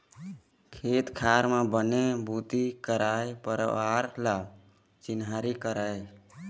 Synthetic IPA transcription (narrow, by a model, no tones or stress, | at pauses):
kʰet̪kʰaɾmebənebʱut̪ikəɾajpəɾə̰aɾla | t͡ʃinɦaɾikəɾaj